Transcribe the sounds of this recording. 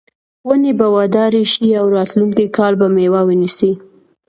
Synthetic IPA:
wənebawɑd̪ɑɾeʃiawɾɑt̪luŋkikɑlbamewawənisi

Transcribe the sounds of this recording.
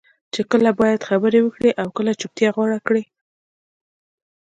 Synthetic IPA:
t͡ʃekəlabɑjad̪xabəɾewəkɽeʔawkəlat͡ʃup̚t̪jɑɣwɑɽakɽi

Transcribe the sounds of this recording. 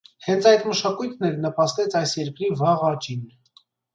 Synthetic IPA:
hɛnt͡sʰɑjd̪məʃɑkujt̪ʰnɛɾnəpɑst̪ɛt͡sʰɑjsjɛɾkɾivɑʁɑt͡ʃin

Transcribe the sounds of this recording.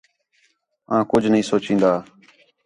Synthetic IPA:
ãːkʊd͡ʒʱnəɦĩːsoːt͡ʃĩːnd̪aː

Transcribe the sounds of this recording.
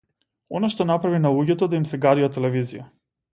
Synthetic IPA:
ɔ̰naʃt̪ɔnapɾavinalˠuɟʲɛt̪ɔd̪aimsɛɡaɾivat̪ɛlɛvizija

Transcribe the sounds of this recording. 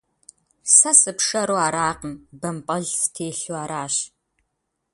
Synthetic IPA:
sɐsɨpʂɐɾoaːɾaːqəmbɐmpʼɐɮstʰeːɬuaːɾaːɕ

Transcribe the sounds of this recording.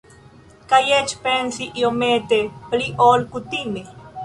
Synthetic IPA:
kajet͡ʃpensiʔiomet̪epliʔolkut̪ime

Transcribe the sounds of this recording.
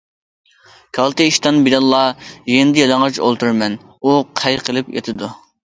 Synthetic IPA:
kʰɑlˠt̪ɨiʃt̪ɑnbilɑnlˠːɑjenɪd̪ɪjɑlˠɑŋʁɑt͡ʃo̰lˠt̪uɾmɛn | uqʰæjɾqʰəlˠɨpjḛt̪ʰɨd̪u

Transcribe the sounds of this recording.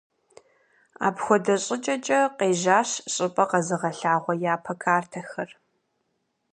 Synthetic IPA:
a̰ːpxʷɔdɐɕʼɪt͡ʃʼɐt͡ʃʼɐqeːʒaːɕɕʼɪpʼɐqɐzɨʁɐɬaːʁʷɔjaːpʰɐkʰaːrtʰɐxɐr

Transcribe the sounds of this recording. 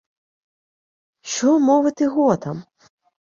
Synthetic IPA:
ʃt͡ʃɔmɔʋɪt̪ɪɦɔt̪ɐm

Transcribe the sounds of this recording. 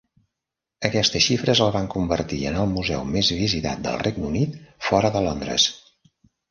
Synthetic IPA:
əkɛst̪əʃifɾəzləβaŋkumbərt̪ḭə̰nəlˠmuzɛ̰wmezβizit̪a̰t̪̚d̪ə̰lˠrʔeɡ̚nunit̪fɔɾəðəlond̪ɾə̰s

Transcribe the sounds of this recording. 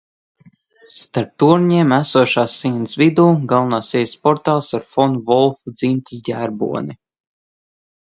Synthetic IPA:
st̪aɾp̚t̪uɾɲiɛmæsuɔʃaːsːinsvid̪uːɡalˠnaːsiɛjspɔɾt̪aːlˠsaɾfɔnuvɔlˠfud̪zimt̪ʲisɟʲæːɾbṵɔni

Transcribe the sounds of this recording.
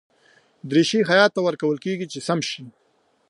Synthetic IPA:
d̪ɾeʃiɦajɑt̪ːawəɾkawəlkeɡit͡ʃesamʃi

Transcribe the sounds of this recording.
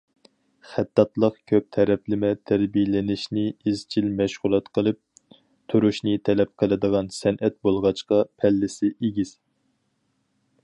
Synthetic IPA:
χæt̪ːɑt̪lˠəqkʲʰøp̚t̪ʰɛɾɛplɪmɛt̪ʰæɾbijlɪnɪʃnɪɪzt͡ʃʰilmɛʃʁʊlˠɛt̪qʰəlˠɨp̚ | t̪ʰuɾuʃnɨt̪ʰɛlɛp̚qʰəlˠɨd̪əʁɑnsɛnʔɛt̪̚bolˠʁɑt͡ʃqɑpʰɛlːɪsɪʔeɡʲiz̥

